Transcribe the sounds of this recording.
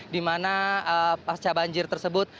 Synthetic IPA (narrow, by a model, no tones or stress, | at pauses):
dimanaəpat͡ʃabaɲd͡ʒɪrt̪ərsəbʊt̪̚